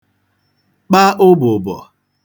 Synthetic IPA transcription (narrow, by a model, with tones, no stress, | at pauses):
k͡pa˦ʔʊ˦bʊ˨bɔ̰˨